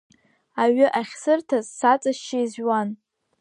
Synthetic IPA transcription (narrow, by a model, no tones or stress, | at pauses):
aɥɪʔaχʲsɨrtʰazsat͡sʼaʃt͡ʃɪizwan